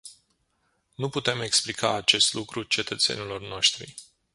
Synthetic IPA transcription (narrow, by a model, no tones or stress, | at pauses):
nuput̪e̞me̞ksplikaːt͡ʃe̞st̪lukɾut͡ʃe̞t̪ət̪se̞̰nilo̞rno̞ʃt̪ɾḭ